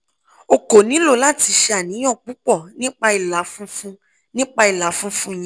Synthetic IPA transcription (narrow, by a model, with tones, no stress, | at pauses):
o˧ko˨nĩ˨˦lo˦˧˨la˦˨ti˧ʃe˧a˨nĩ˨˦j̃ɔ̃˦˨k͡pu˨˦k͡pɔ˦˨nĩ˦k͡pa˧i˨la˨˦fũ˦fũ˧ | nĩ˦k͡pa˧i˨la˨˦fũ˦fũ˦˨jĩ˦